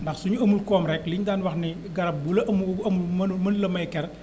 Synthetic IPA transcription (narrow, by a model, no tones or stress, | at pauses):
ndɐxsuɲuɐmulkɔːmɾɛkliɲdaːnwɐxni | ɡɐɾɐp̚bulɐʔɐmuɐmulmɐnmɐnlɐmɐjkɛr